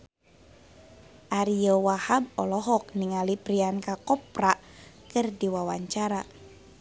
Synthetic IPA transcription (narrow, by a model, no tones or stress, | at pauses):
ʔaɾiowahab̚ɔlɔɦɔk̚niŋalipɾiankakɔp̚ɾaʔ | kɨrdiwawaɲt͡ʃaɾa